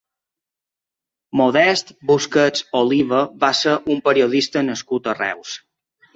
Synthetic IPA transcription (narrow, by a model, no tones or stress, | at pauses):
moðɛst̪buskət͡soliβəβasəɾʔumpəɾioðist̪ənəskut̪ərɛ̰ws